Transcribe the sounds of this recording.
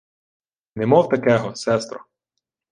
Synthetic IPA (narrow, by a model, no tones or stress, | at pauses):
nɛmɔwt̪ɐkɛɦɔsɛst̪ɾɔ